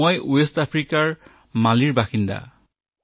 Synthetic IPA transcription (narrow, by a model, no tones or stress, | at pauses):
ɔjuestapʰɹikaɹ | maliɹbaxinda̰